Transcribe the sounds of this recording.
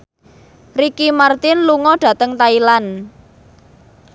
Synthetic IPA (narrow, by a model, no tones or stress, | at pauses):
rikimart̪ɪnluŋɔɖ̥ä̤t̪əŋt̪ailan